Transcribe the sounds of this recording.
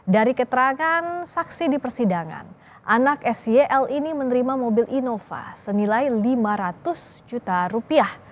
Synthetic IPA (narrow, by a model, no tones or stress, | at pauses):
daɾikət̪əɾaŋansaksidipərsidaŋa̰n | ʔanakɛsieʔɛlinimənəɾimamobilʔinofa̰sənilajlimaɾat̪ʊs | d͡ʒut̪aɾupiah